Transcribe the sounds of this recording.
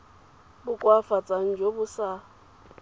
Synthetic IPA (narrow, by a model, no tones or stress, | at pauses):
bʊkʼwafat͡sʼan̩d͡ʒobʊsa